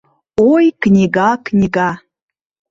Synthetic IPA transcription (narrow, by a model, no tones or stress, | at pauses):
ojknʲiɡɑknʲiɡɑ